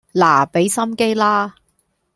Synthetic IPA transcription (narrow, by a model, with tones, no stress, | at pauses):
laː˨˩pe˨˥jsɐ˥mke˥jlaː˥